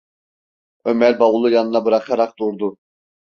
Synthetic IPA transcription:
ømɛɾbɑwulˠujɑnɯnabɯɾɑqʰɑɾɑq̚d̪uɾd̪u

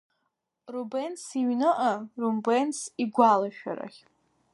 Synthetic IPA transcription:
rubensiɥnɨʔarumbensiɡʷalaʃᶣa̰ɾa̰χʲ

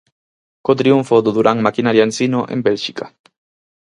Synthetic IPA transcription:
kot̪ɾiuɱfoðuðuɾʔaŋmakinaɾjansinoʔḛmbelʃika

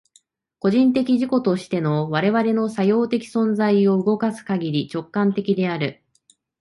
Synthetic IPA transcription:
ko̞ʑĩnt̪e̞kʲiʑiko̞t̪o̞ɕi̥t̪e̞no̞βaɾe̞βaɾe̞no̞sajo̞ːt̪e̞kʲi̥sõ̞nd͡zaio̞ɯ̟ɡo̞kasɨ̥kaɡʲiɾʲit͡ɕo̞kːãnt̪e̞kʲid̪e̞aɾɯ̟

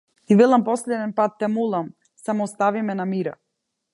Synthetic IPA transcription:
ivɛlˠampɔslɛd̪ɛnpat̪ːɛmulˠam | samɔːst̪avimɛnamiɾa̰

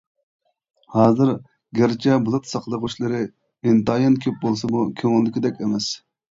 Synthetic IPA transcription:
hɑːzɨɾ | ɡʲæɾt͡ʃʰɛbulˠɨt̪sɑqlˠəʁuʃlˠɨɾɨ | ɪnt̪ɑjɑnkʲʰøp̚bolˠsɨmukʲʰøŋɪlːɪkʲɪd̪ɛkʲɛmɛs

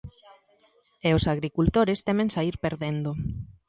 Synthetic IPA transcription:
eosaɣɾikult̪oɾest̪emẽŋsaiɾpeɾðend̪o

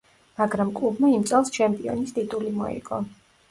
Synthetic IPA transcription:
maɡɾamkʼlubmaimt̪sʼɛlˠst͡ʃʰɛmpʼiɔnist̪ʼit̪ʼulimɔ̰ḭɡɔ

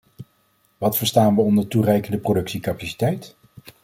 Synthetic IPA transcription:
ʋɑtfəɹstaːnʋəɔndəɹturɛjkəndəprodɵksikapasi̥tɛjt

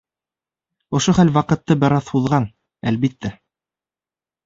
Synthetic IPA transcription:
ŏʃoχælwɑqɤ̆t̪ːɤbɘ̆ɾɑθhuðʁɑn | ælβit̪ːæ

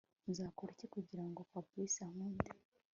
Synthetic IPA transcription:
zaːkoɾicekuɟiɾaŋɡokwabuisamuːndi

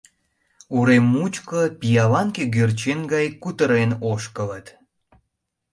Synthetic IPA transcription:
uɾemːut͡ɕkopijɑlɑŋkeɡørt͡ɕenɡɑjkut̪əɾenoʃkələt̪

